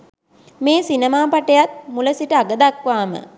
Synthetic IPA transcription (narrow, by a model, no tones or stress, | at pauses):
meːsinemaːpaʈəjat̪̚muləsiʈəaɡəd̪akʋaːmə̰